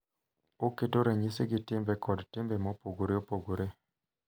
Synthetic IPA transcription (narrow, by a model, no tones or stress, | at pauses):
oketoɾeɲiseɡɪtɪmbekɔdtɪmbemɔpoɡoɾeopoɡoɾe